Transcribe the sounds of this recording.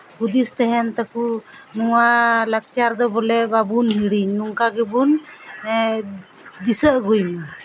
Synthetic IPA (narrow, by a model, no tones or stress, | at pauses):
hud̪ist̪ɛɦɛnt̪akunuwalak̚t͡ʃaɾd̪ɔbɔlɛbabunɦiɽiɲːuŋkaɡɛbun | d̪isəʔɡujmɛ